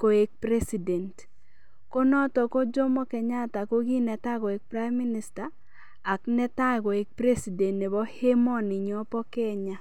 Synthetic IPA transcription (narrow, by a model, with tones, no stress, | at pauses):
ko˨e˨k̚pɾe˦si˨dɛ˨nt | ko˦nɔ˦tɔ˨ko˦d͡ʒɔ˦mɔ˦kɛ˨ɲa˦ta˨ko˦ɡi˦nɛ˨ta˦ɡɔ˨e˨k̚pɾa˦jmːi˦ni˦sta˨ | a˨knɛ˦ta˦ɡo˨e˨k̚pɾe˦si˨dɛ˨ntne˨bɔ˦he˦mɔ˦nɪ˨ɲɔ˨pɔ˦kɛ˦ɲa˦